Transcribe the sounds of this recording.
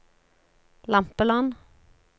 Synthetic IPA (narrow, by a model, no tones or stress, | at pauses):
lɑmpəlɔn